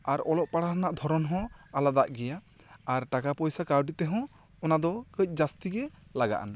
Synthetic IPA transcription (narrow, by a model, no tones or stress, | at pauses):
aɾɔlɔʔpaɽaɦnaʔd̪ʱɔɾɔnɦɔ̃alad̪aʔɡɛjaː | ɾʈakapɔjsakaɾɖit̪ɛɦɔ̃ | ɔnad̪ɔkəc̚ˀd͡ʒast̪iɡɛlaɡa̰ʔa̰na